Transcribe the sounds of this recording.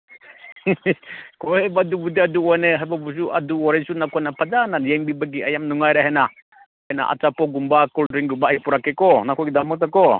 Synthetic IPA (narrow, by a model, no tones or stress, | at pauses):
kʰɔhebadubudiaduɔneɦajbabusuʔa̰duɔɾasunakʰɔjnapʰad͡ʒananjeŋbibaɡiɐjamnuŋajɾaɦena | ajna̰ʔa̰t͡ʃapɔɡumbakɔldɾiŋɡumbaːjpuɾakekɔnakʰɔjɡidamɯk̚takɔ